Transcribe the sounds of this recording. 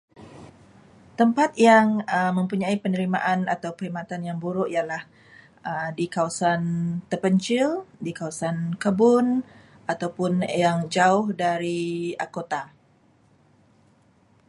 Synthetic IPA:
t̪əmpat̪̚jaŋəmə̃mpuɲãipənəɾima̰ʔana̰t̪awpəimat̪anjaŋbuɾʊʔijalah | ədikawasant̪ərpəɲt͡ʃɪldikawasankəbʊn | ʔat̪awpʊnjaŋd͡ʒaʊhdaɾia̰kot̪a

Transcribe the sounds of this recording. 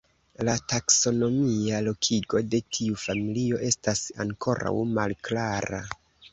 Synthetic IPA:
latakso̞no̞mialo̞kʰiɡo̞de̞tʰiufamilio̞ʔe̞stasa̰ŋkʰo̞ɾa̰wmalklaɾa

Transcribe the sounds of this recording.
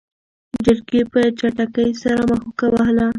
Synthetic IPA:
d͡ʒəɾɡepət͡ʃaʈakəjsaɾaməxokawahla

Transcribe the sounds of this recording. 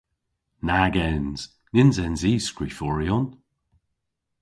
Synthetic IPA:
naɡɛnz̥ | nɪnzɛnziːskɹifɔɹiɔn

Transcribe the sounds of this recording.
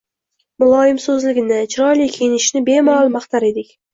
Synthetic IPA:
mʊlˠɒjɪmsɵzlɪɡʲɪnɪt͡ʃʰɪɾɒjlijkʲʰejɪnɪʃnɪbe̞malˠmaχt̪ʰaɾe̞d̪ɪkʲ

